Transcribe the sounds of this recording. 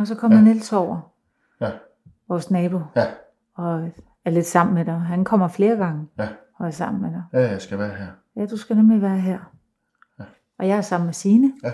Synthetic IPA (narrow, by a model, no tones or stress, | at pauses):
ɒs̬ɒ̽kʰɒ̽m̰ɐenel̰sɒʊ̰ɐ | ʋɒsnɛːb̥o̝ | ɒ̽ | æɐle̝d̥sɑ̈m̰n̩med̥ɑ̈ɪɦænkʰɒ̽m̰ɐfle̝ːɐɡ̥ɑ̈ŋəhɒ̽ɐsɑ̈m̰n̩med̥ɑsɡ̥æʋæːɐɦeɐ̰ | jæd̥usɡ̥ænemliʋæːɐɦeɐ̰ | ʔɒ̽jɑ̈ɪæɐsɑ̈m̰n̩mesiːnə